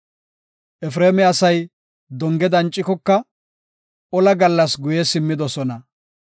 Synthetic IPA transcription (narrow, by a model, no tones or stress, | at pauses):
ʔɛf̬ɾeːmɛɐsɐj | d̪ɔŋɡɛd̪ɐnt͡ʃʼːɪkɔkːɐ | ɔlɐɡɐlːɐsɡʊjɛsɪmːɪd̪ɔsɔnɐ